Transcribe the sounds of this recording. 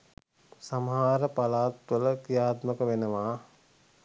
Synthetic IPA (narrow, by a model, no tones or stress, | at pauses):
samɦaːɾəpalaːt̪ʋələkijaːt̪məkəʋenəʋaː